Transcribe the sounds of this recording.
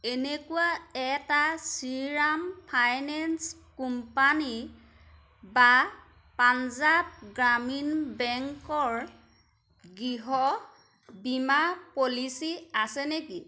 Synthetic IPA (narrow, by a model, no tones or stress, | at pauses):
enekuwaɛtasiɹampʰajnɛns | kumpani | ba | panzap̚ɡɹaminbɛŋkɔɹ | ɡɹiɦɔ | bimapolisiasɛneki